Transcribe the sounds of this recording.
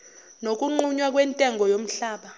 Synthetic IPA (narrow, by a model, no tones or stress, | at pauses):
nok̬ʼuŋ͡ǃuɲwak̬ʼwɛntʼɛŋʱɔjom̩ɬaːɓa